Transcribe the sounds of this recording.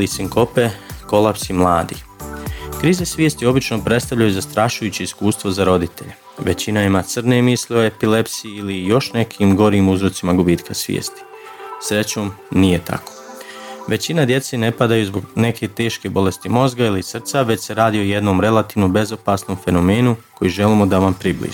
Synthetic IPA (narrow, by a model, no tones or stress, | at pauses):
lisiŋko̞pe̞ko̞lˠapsimlˠaːd̪ḭ | kɾiːzesʋjeːst̪io̞bit͡ʃno̞pɾet̪st̪avʎajuzast̪ɾaʃujuːt͡ɕiiskuːst̪ʋozaɾo̞d̪it̪e̞̰ʎe | ʋe̞t͡ɕinaimat̪srne̞mislio̞e̞pile̞psiiilijo̞ʃne̞kʰimɡo̞ɾiːmuzɾo̞t̪simaɡubiːt̪kʰasʋjḛːst̪i̥ | sɾe̞t͡ɕo̞ːmnije̞t̪a̰kʰo̥ʋe̞t͡ɕinad̪je̞t̪se̞ne̞pad̪ajuzbo̞ɡne̞kʰe̞t̪e̞ːʃke̞bo̞le̞st̪imo̞zɡailisr̩t̪saʋe̞t͡ɕse̞ɾaːd̪io̞je̞d̪no̞ːmɾe̞lat̪iːʋnobe̞zo̞paːsno̞mfe̞no̞me̞ːnuko̞jiʒe̞limod̪aʋampɾiblḭːʒ